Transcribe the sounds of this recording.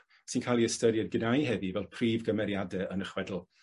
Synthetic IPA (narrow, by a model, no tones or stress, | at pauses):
sinkʰalˠiəstəɾjɛd̚ɡənajɦɛðivɛlˠpʰriːvɡəmɛɾjadɛənəχwɛdl̩ˠ